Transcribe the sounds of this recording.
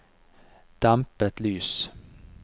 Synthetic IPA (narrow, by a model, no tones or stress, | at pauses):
d̪̥ampət̪lyːs